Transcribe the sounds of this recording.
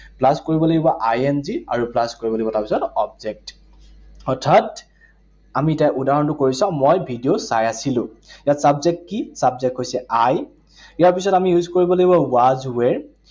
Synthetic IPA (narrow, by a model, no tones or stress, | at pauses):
plaskoɹibɔloɡibɔʔajɛnzia̰ɹuplaskoɹibɔloɡiɔtaɹpisɔtɔpzɛk̚t | ɔtʰat | amitajʔudaɦɔntʊkoɹisãmojbʱidijosajasilʊ̃ | ijatsabzɛk̚t̚kisabzɛk̚tɦojsɛaj | ijaɹpisɔtamijuzkoɹibɔloɡibɔwazwɛɹ